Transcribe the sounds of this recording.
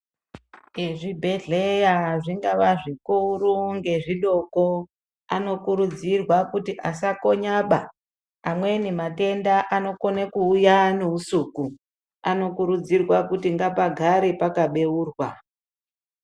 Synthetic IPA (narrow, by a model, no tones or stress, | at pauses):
eʐibʱe̞ɮe̞jaʐiŋɡaʋaʐikuruŋɡe̞ʐiɗo̞ko̞ | ano̞kuɾud͡zirwakutiʔasako̞ɲaɓaː | mwe̞nemate̞ndaʔano̞konakuːjane̞usuku | ano̞kuɾud͡zirwakutiŋɡapaɡʱaɾipakaɓe̞uːrwa